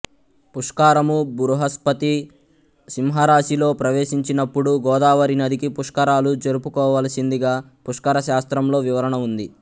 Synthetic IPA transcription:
puʂkaːɾɐmubuɾuɦɐspɐt̪i | simɦɐɾaːʃilo̞ːpɾɐʋeːʃiɲt͡ʃinɐpːuɽuɡɔːd̪aːʋɐɾinɐd̪ikipuʂkɐɾaːlud͡ʒɐɾupukɔːʋɐlɐsind̪iɡaː | puʂkɐɾɐʃaːst̪ɾɐmlo̞ːʋiʋɐɾɐɳɐund̪i

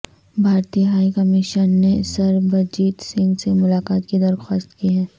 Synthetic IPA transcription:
bʱaːɾt̪ijəɦaːikɐmɪʃənːesɐɾbɐd͡ʒiːt̪sɪ̃ŋɡsemʊlaːkaːt̪kid̪ɐɾxaːst̪kiɦɛ̃ː

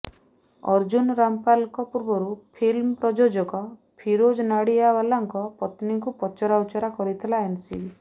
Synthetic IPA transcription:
ɔ̰ɾd͡ʒunɾampalkɔpuɾbɔɾupʰilmɔpɾɔd͡ʒod͡ʒɔkɔ | pʰiɾod͡ʒɔnaɽiabalaŋkɔpɔt̪niŋkupɔt͡ʃɔɾawt͡ʃɔɾakɔɾit̪ʰilaensibi

